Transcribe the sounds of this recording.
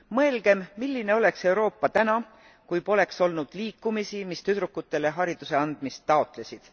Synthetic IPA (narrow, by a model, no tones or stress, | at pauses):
mɤelɡ̥e̞mmilːine̞o̞le̞kse̞uɾo̞ːpːɑt̪ænɑ | kujpo̞le̞kso̞lnud̪̥liːkːˑumisimist̪yt̪ɾukːˑut̪ːˑe̞le̞ɦɑɾid̪̥use̞ɑnd̪̥mist̪ːɑot̪le̞sid̪̥